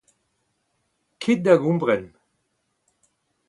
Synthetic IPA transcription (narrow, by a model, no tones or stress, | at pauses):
kʰet̪̚d̪aɡũmbʁɛn